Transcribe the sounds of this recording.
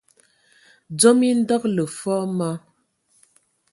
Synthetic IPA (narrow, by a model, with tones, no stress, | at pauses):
d͡zɔ˦mi˦n̩˦dɔ˦k̚lə˨fɔː˦ma˦